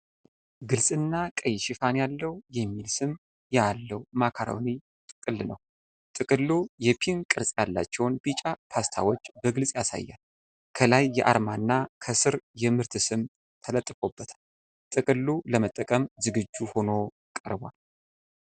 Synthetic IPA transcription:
ɡɨlsʼɨnːakʼəjʃɪfanjalːəwjɛmːilsɨm | jalːəwmakʰaɾa̰wni | t̪ʼɨkʼɨlːnə̰w | t̪ʼɨkʼɨlːujɛpʰinkʼɨɾsʼjalːa̰t͡ʃːɛwnbit͡ʃʼapʰast̪ʰa̰wo̞t͡ʃːbəɡɨlsʼjasa̰jːa̰l | kʰəlajːɛʔa̰ɾmanːakʰəsɨɾjɛmɨɾt̪ʰɨsɨm | t̪ʰələt̪ʼːfo̞bːət̪ʰḁl | t̪ʼɨkʼɨlːuləmət̪ʼːəkʼəmzɨɡɨd͡ʒːuho̞no̞ | kʼə̰ɾbwa̰l

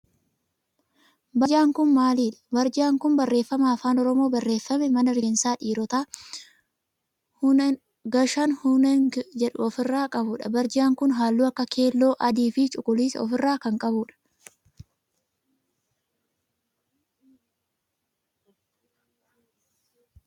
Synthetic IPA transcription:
bɐd͡ʒaːŋkʊnmaːliːᶑɐ̥bɐɾd͡ʒaːŋkʊnbɐrːe̞ːfːɐmaːfaːnɔɾɔmo̞ːbɐrːe̞ːfːɐmɛmɐnɐɾɪɡnsaːᶑiːɾɔt̪aː | h | ɡɐʃɐnhʊnɛnd͡ʒɛᶑʊ̰ɔfɪrːaːkʼɐbʊᶑɐ̰bɐɾd͡ʒaːŋkʊnɦaːlːuːɐkːɐkʰe̞ːlːo̞ːʔɐd̪iːfɪt͡ʃʼʊkʼʊliːsɔ̰fɪrːaːkɐŋkʼɐbʊᶑɐ̥

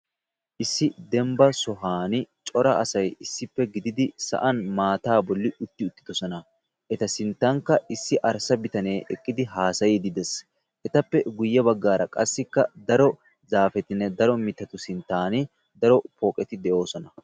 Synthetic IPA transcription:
ʔɪsːɪd̪ɛmbɐsɔɦaːnɪt͡ʃʼɔɾɐʔɐsɐjɪsːɪpːɛɡɪd̪ɪd̪ɪsɐ̰ʔɐnmaːt̪aːbɔlːɪʔʊt̪ːɪʊt̪ʼːɪ̥d̪ɔsɔnɐ | ʔɛt̪ɐsɪnt̪ːaŋkːɐʔɪsːɪʔɐɾsɐbɪt̪ɐneːʔɛkʼːɪd̪ɪɦaːsɐjid̪ɪd̪ɛs | ʔɛt̪ɐpːɛɡʊjːɐbɐɡːaːɾɐkʼɐsːɪkːɐd̪ɐɾɔ | zaːfɛt̪ɪnːɛd̪ɐɾɔmɪt̪ːɐt̪ʊsɪnt̪ːaːnɪ | d̪ɐɾɔpɔːkʼɛt̪ɪd̪ɛʔo̞ːsɔnɐ

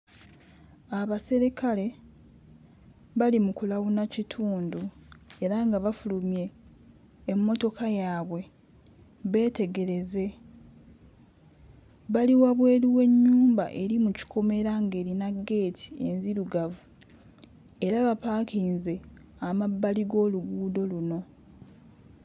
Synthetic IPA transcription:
aβase̞ɾekale̞ | βalimukulaβunacitʰuːndue̞ɾaŋɡaβafulumje̞ː | mːo̞to̞kajaːβwe̞ | βe̞ːte̞ɡe̞ɾe̞ze̞ | βaliwaβwe̞ːɾiwe̞ɲːuːmba̰ʔe̞ɾimuci̥kʰo̞me̞ɾaŋɡe̞ːɾinaɡːe̞ːtʰi̥e̞̰nziɾuɡavu | e̞ɾaβapaːkiːnze̞amabːaliɡo̞ːluɡuːdo̞luno̞

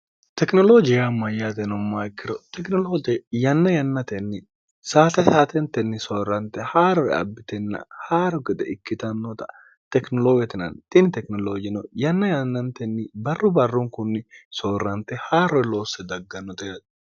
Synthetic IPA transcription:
t̪ɛknɔloːd͡ʒɪjamːɐjat̪ɛnɔmːaːkːɪɾɔt̪ɛknɔloːt̪ɛjɐnːɐjɐnːɐt̪ɛnːɪ | saːt̪ɐsaːt̪ɛnt̪ɛnːɪsoːrːɐnt̪ɛhaːɾɔɾɛ̰ɐ̰bːɪt̪ɛnːɐ̰haːɾɔɡɛd̪ɛɪkːɪt̪ɐnːɔt̪ɐ | t̪ɛknɔloːɡɛt̪ɪnɐ̰nt̪ɪnɪt̪ɛknɔloːd͡ʒɪnɔjɐnːɐjɐnːɐnt̪ɛnːɪbɐrːʊbɐrːuŋkʊnːɪsoːrːɐnt̪ɛhaːɾɔɾɛloːsɛd̪ɐɡːɐnːɔt̪ɛɐ

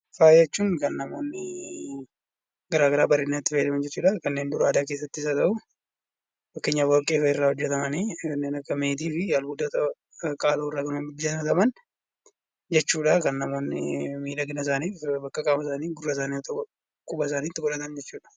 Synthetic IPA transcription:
faːjɛt͡ʃːuːŋkɐnːɐmo̞ːnːɪ | ɡɐɾaːɡɐɾaːbɐɾeːnːɐt̪ːɪfeːlɐmɐnd͡ʒɛt͡ʃːuːᶑɐkɐnːe̞ːnd̪ʊɾaːd̪aːke̞ːsːɐt̪ːɪɪsɐt̪ɐʔʊ | fɐkːeɲːawaːkʼːeːfɐɪrːaːhɔd͡ʒːɛt̪ɐmɐniːkɐnːeːnɐkːɐmeːt̪iːfɪɐlhud̪ɐt̪ɐ | kʼaːloːɪrːaːkɐnonbɪd͡ʒːɛt̪ɐmɐt̪ɐmɐn | d͡ʒɛt͡ʃːuːᶑɐkɐnːɐmo̞ːnːɪ̰miːlɐɡɪnɐs̬aːniːfbɐkːɐkʼaːmɐsaːniːɡʊrːɐsaːniːɔt̪ɐ | kʼʊbɐs̬aːniːt̪ːɪkʼɔɾɐt̪ɐnd͡ʒɛt͡ʃːuːᶑɐ̥

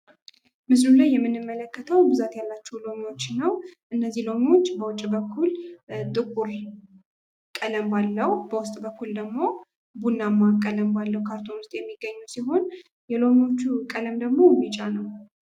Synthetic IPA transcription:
mɨslulajːɛmːɨnːɨmːələkːət̪ʰəwbɨzat̪jalːat͡ʃːɛulo̞mio̞t͡ʃːnəwʔɨnːəzːihlo̞mio̞t͡ʃːbəwʊt͡ʃʼːibəkʰːuld̪ʼɨkʼuɾ | kʼːələmbalːəhbəwʊst̪ʼbəkːuld̪əɡmo̞ | bunːamːakʼːələmbalːəwkʰaɾt̪ʰo̞nɨst̪ʼjɛmːiɡːəɲːusiɦo̞n | jɛlo̞mio̞t͡ʃːukʼələmd̪əɡmo̞jmːit͡ʃʼanəw

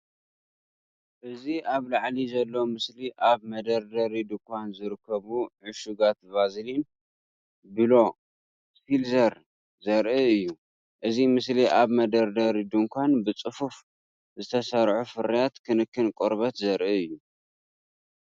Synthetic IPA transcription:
ʔɨziʔaβlaʕlizɐlːo̞mɨsliʔaβmɐd̪ɐɾd̪ɐɾid̪ɨŋkʰʷanzɨɾɨkʰːɐβuʕɨʃuɡat̪bazlin | bɨlo̞ | silzɐɾ | zɐɾʔɨɨjːu | ʔɨzimɨsliʔaβmɐd̪ɐɾd̪ɐɾid̪ɨŋkʷʰanbɨt͡sʼɨfuf | zɨt̪ʰɐsɐɾʕufɨɾijat̪kʰɨnɨkʰːɨnkʼoɾβɐt̪zɐɾʔɨɨjːu

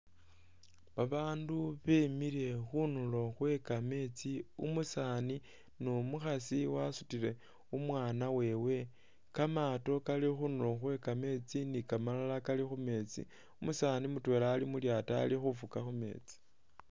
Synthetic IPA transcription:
βaβaːnduβemiɾe̞xunulo̞xwe̞kame̞t͡siumusani | nomuxasiwasutile̞ | umwaːnawe̞ːwe̞ | kamaːto̞kalixunulo̞xwe̞kame̞t͡sinikamalalakalixume̞t͡sḭ | umusaːnimutwe̞ːlaːlimuljata̰ːlixufukaxume̞̰ːt͡si̥

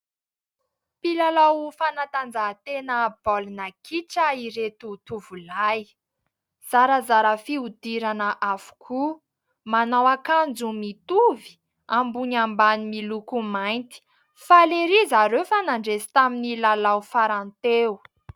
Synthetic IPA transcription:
pilalawfanat̪and͡zat̪enəb̥olinakʰiʈ͡ʂəiɾet̪ut̪uvulaj | z̥aɾəzaɾəfiud̪iɾanəʔavu̥kʰu | manawakand͡zumit̪uvi̥ | ambuɲambanimilukumajnt̪i̥ | faleɾizaɾefanaɳɖ͡ʐezi̥t̪aminilalawfaɾant̪eu

